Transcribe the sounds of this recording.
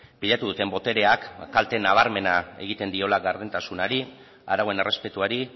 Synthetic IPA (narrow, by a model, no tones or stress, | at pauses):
piʎat̪uð̞ut̪e̞mbo̞t̪e̞ɾe̞akːalt̪e̞naβ̞aɾme̞nae̞̰ɣ̞it̪e̞nd̪io̞laɡaɾðent̪asunaɾi | a̰ɾaɣoe̞ne̞re̞spe̞t̪uaɾi